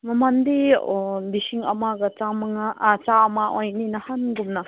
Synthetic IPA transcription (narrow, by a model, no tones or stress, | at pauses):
mɐmandidisiŋɐmaɡɐt͡ʃamɐŋat͡ʃaɐmaʔojninɐhanɡumna